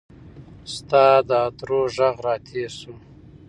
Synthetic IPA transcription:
st̪ɑːd̪əːd̪ɾoːʒaɣɾɑːt̪ʰeːsu

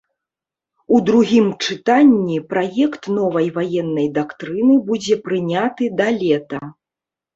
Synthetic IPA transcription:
ud̪ɾuɣʲimt͡ʂɨt̪anʲːipɾajɛkt̪nɔvɐjvajɛnːɐjd̪akt̪ɾɨnɨbud͡zʲɛpɾɨnʲat̪ɨd̪ɐlʲɛt̪ɐ

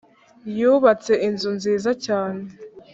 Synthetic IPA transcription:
juβat͡se̞ʔinzunziːzacaːne

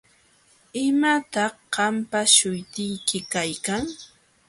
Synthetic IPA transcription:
ɪmat̪ɑhɢɑmpaʃʊjt̪ɪjkɪkajkaŋ

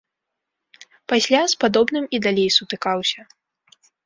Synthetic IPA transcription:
pasʲlʲaspad̪ɔbnɨmid̪alʲejsut̪ɨkawsʲɐ

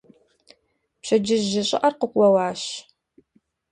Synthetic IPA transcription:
pɕɐd͡ʒɪʒɪɕʼɪ̰ʔɐrqəkʷɐwɑːɕ

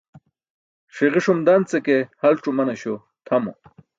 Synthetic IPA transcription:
ʂiʁiʂumd̪ɐnt͡sekehɐlʈ͡ʂumɐnɐɕo | t̪ʰɐmo̰

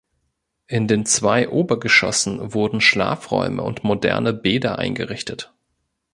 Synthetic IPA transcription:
ʔɪndeːnt͡sv̥aɪʔoːbɐɡəʃɔ̰sn̩vʊɐdn̩ʃla̰ːfʁɔ̰ʏmə̰ʊ̰ntmodɛ̰ɐnəbeːdɐʔa̰ɪnɡəʁɪçtət

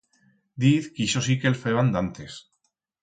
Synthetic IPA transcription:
d̪iðkiʃos̬ikelfeβand̪ant̪es

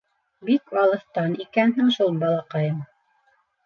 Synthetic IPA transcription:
bikɑlˠɤ̆θt̪ɑnikænɦɘŋʃulˠbɑlˠɑqɑjɤm

